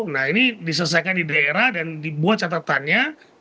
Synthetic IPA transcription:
nahinidisəs̬akandidaeɾahdandibuat̪̚t͡ʃat̪at̪anɲa

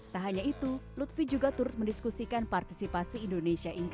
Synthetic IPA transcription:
t̪aɦaɲait̪ulut̪fid͡ʒuɡat̪uɾʊt̪̚məndiskusikanpart̪isipasiːndonesiaʔiŋk

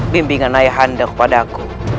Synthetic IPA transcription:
bimbiŋanaiɦandakpaɗaku

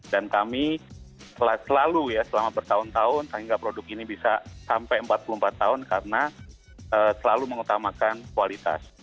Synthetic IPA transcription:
dankami | t̪əlasəlalujasəlamabərt̪aʊnt̪aʊnt̪aiŋɡapɾodʊkinibisasampajəmpat̪̚pulumpat̪ːaʊnkaɾəna | ʔəːsəlaluməŋut̪amakankualit̪a̰s

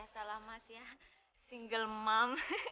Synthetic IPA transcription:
asalamasia | siŋɡəlmam

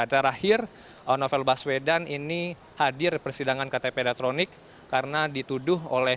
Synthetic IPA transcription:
adaɾahɪr | ənofɛlbaswedanini | hadɪrpərsidaŋankat̪epedat̪ɾonɪkː | arnadit̪udʊɦo̰lɛ

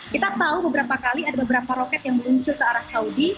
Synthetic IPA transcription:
kit̪at̪aubəbəɾapakaliadabəbəɾapaɾokɛt̪jaŋməluɲt͡ʃʊrkəaɾap̚saudi

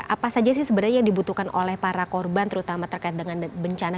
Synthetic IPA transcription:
apasad͡ʒas̬ɪhsəbənarjaŋdibut̪ukanʔo̰lɛhpaɾakɔrbant̪əɾut̪amat̪ərkaɪt̪̚dəŋanbəɲt͡ʃana

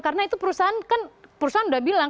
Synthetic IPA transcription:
kaɾənait̪upəɾusaɦankanpəɾusaɦanudahbilaŋ

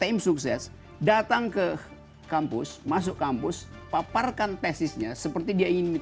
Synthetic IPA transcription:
t̪amsuksɛs | dat̪aŋkə | kampʊsmas̬ʊkampʊs | paparkant̪ɛsɪsɲasəpərt̪idiaiŋɪn

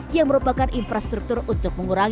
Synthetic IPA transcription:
jaŋməɾupakanʔinfɾast̪ɾuk̚t̪ʊrunt̪ʊk̚məŋuɾaŋ

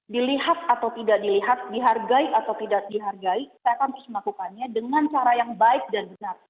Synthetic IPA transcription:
diliɦat̪̚at̪awt̪idaʔdiliɦat̪̚diɦarɡaiat̪awt̪idaʔdiɦarɡaisajakant̪ɾʊsməlakukanɲadəŋant͡ʃaɾajaŋbaɪk̚danbənar

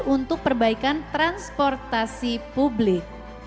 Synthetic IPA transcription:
unt̪ʊk̚pərbaikant̪ɾanspɔrt̪asipublɪk̚

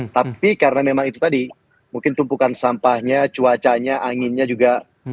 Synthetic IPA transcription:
t̪apikaɾənamemaŋit̪ut̪adi | muŋkɪnt̪umpukansampahɲat͡ʃuat͡ʃaɲaʔaŋɪnɲad͡ʒuɡa

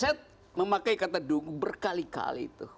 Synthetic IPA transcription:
sɛt̪̚ | məmakajkat̪aduŋɡuŋbərkalika̰lḭt̪u

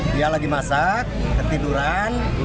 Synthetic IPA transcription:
jalaɡimasakkərt̪iduɾan

